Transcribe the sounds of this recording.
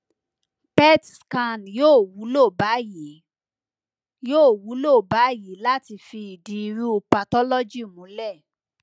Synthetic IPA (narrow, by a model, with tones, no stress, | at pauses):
pɛ˦tska˧njoː˦˨wu˨˦lo˦˨ba˨˦ji˨˦ | joː˦˨wu˨˦lo˦˨ba˨˦ji˨˦la˦ti˧fi˧i˨di˨˦˧ɾu˦u˧pa˧tɔ˦lɔ˦d͡ʒi˦˨mũ˨˦lɛ˦˨